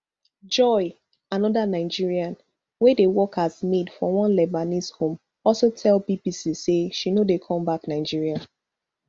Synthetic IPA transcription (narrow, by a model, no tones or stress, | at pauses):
d͡ʒɔɪ | anɔdanaɪd͡ʒiɹiãn | wedewɔkazmedfɔwɔ̃nlɛbanishõm | ɔlˠsotʰɛlbibisiseʃinodekʰɔ̃mbaknaɪd͡ʒiɹia